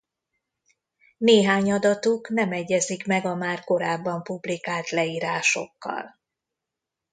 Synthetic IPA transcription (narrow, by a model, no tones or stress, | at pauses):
neːɦaːɲɒd̪ɒt̪uknɛmɛɟːɛzikmɛɡɒmaːrko̞ɾaːbːɒmpublikaːlt̪lɛiːɾaːʃo̞̰kːɒ̰l